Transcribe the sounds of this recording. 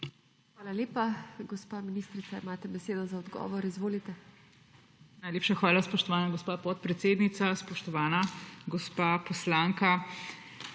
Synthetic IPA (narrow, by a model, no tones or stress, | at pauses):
xʋaːlaleːpaɡɔspaːminist̪ɾit̪saimaːt̪ɛbɛseːd̪ɔzaɔd̪ɡɔ̰ʋɔɾizʋoːlit̪ɛ | najleːpʃaxʋaːlaspɔʃt̪ɔʋaːnaɡɔspaːpɔt̪̚pɾɛt̪seːd̪nit̪saspɔʃt̪ɔʋaːnaɡɔspaːpɔslaːŋka